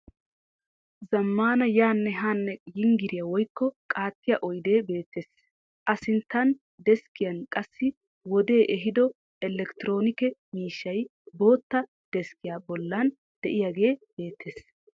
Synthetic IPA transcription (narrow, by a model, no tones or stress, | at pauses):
zɐmːaːnɐjaːnːɛɦaːnːɛjɪŋɡɪɾɪjɐwɔjkːɔkʼaːt̪ːɪjaʔɔjd̪e̞ːbe̞ːt̪ːe̞ːs | ʔɐsɪnt̪ːɐn | d̪ɛskɪjɐnkʼɐsːɪ | wɔd̪e̞ːʔɛɦɪd̪ɔ | ʔɛlːɛkt̪ɪɾo̞ːnɪkɛmiːʃːɐjbo̞ːt̪ːɐ | d̪̥ɛskɪjaːbɔlːɐn | d̪̥ɛʔɪjaɡe̞ːb̥e̞ːt̪ːe̞ːs